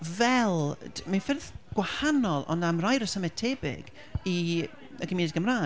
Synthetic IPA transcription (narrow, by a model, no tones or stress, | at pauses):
vɛlˠmanfɪrðɡ̥wahanɔlˠɔ̰ndamrajɾəsəmɛtʰɛbɪ̰ɡ̥ | i | əɡɪminɪdɡəmraː